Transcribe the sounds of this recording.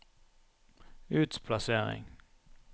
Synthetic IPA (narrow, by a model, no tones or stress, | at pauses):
ʉːt̪pʰlɑseːʁɪ̰ŋ